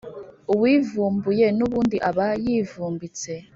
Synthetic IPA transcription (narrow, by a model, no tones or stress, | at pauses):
uwivuːmbujenuβundiʔaβajivuːmbit͡se